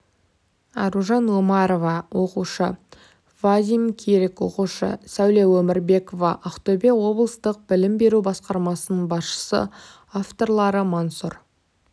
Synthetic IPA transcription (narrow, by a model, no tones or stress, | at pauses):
ɑɾuʒɑnwomɑɾo̞vɑwʔo̞quʃə | vad̪ʲimkʲʰeɾekwo̞̰quʃə̰sæwlewɵmɪɾbe̞ko̞vɑʔɑqt̪obe̞wo̞blˠəst̪əq̚b̥ɪlɪmbe̞ɾubɑsqɑɾmɑsənəɴbɑsʃə̥sə̰ | aft̪o̞rlˠɑɾəmansur